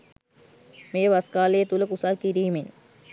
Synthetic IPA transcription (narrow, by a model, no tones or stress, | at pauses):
mejəʋaskaːlejːt̪uləkusalkiɾiːmen